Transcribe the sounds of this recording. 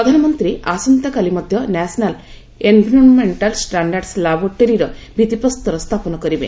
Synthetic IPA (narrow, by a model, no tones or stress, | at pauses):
pɾɐd̪ʱanɐmɔnt̪ɾiʔasɔnt̪akalimɔd̪ʱjɔnɛsnal | enbʱiɾɔnmeɳʈalsʈaɳɖaɾɖslabɔɾʈeɾiɾɔbʱit̪ipɔst̪ɔɾɔst̪ʰapɔnɔkɔɾibḛ